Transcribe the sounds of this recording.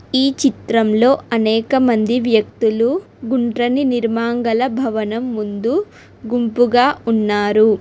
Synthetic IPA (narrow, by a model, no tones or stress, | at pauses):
iːt͡ʃit̪ɾɐmlo̞ːɐnɛːkɐmɐnd̪iʋjɐk̚t̪ulu | ɡuɳʈɾɐniniɾmaːŋɡɐlɐbʱɐʋɐnɐmːund̪u | ɡumpuɡaːʔunːaːɾu